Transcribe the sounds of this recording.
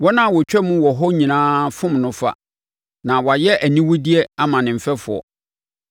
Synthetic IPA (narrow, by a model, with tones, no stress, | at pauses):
wɔ˦nã˦˨wɔ˨t͡ɕᶣɛ˦mʊ̃˦wɔ˨ɦɔ˦ɲĩ˨nãː˦fʊ̃˦mnʊ̃˦fa̰˦ | nã˨wɔ˨a˨jɛ˦ʔæ˨nĩ˦wʊ˦di˦ɛ˦a˦mã˨nɪ̃˨m̩˨fɛ˦fʊ˨ɔ̰˨